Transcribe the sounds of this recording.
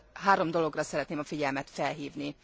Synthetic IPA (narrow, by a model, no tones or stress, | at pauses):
ɦaːɾo̞md̪o̞lo̞ɡrɒsɛɾɛt̪neːmɒfiɟɛlmɛt̪fɛlɦiːvni